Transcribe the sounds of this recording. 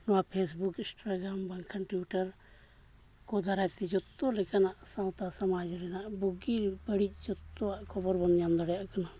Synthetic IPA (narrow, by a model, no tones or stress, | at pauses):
nɔwapʰes̬bukinsʈɾaɡɾambaŋkʰanʈuʈaɾ | kɔd̪aɾajt̪ɛd͡ʒɔt̪ːɔlɛkanaʔsaw̃t̪asamad͡ʒɾɛnaʔbuɡiɾbəɽic̚ˀd͡ʒɔt̪ːɔaʔkʰɔbɔɾbɔnɲamd̪ɔɽɛjaʔkana